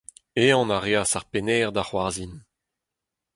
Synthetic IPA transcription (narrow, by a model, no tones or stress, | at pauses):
eɑ̃naʁeasaʁpenɛːʁd̪aχwaʁzin